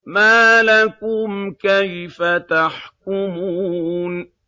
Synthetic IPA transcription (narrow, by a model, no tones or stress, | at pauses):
maːlakʊmkajfat̪aħk̚ʊmuːn